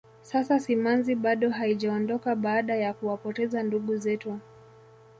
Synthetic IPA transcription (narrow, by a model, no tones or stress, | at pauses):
sasasimanziɓaɗɔɦaiʄaɔndɔkaɓaːɗajakuwapɔtɛzanduɠuzɛtu